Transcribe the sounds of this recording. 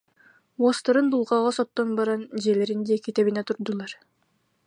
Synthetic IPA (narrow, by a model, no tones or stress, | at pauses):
wɔst̪aɾɯnd̪ulˠʁɑʁɔsɔt̪ːɔnbaɾand͡ʑiɛlɛɾind̪iɛkit̪ɛβinɛt̪uɾd̪ulˠɑɾ